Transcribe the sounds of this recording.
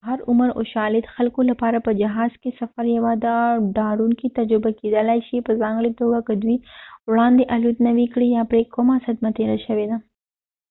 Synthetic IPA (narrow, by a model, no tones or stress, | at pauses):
ɦɐɾʊməɾo̰ʃɑːlɪd̪xɐlkolapaːɾapəd͡ʒɐɦɑːz̥kesɐfɐɾjɐwad̪aɖaɽunkit̪ɐd͡ʒɾɪbaked̪əlajʃipəzɑːŋɡɭit̪oɡakəd̪wiwɽɑːnd̪eʔɐlut̪nɐʋikɽijapɾekːomasɐd̪mat̪eɾaʃɐʋed̪a